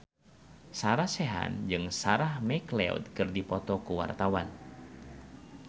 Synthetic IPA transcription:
saɾahsɛɦa̰nd͡ʒɨŋsaɾahmɛklɛ̰ṵd̪̚kɨrdipɔt̪ɔkuwa̰rt̪awan

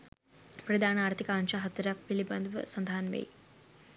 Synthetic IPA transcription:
pɾɐd̪ʱaːnaːɾt̪ʰikaːnt͡ɕaːɦɐt̪ɾak̚ʋilibɐnd̪ʋɐ̰sɐnd̪ʱaːnʋḛj

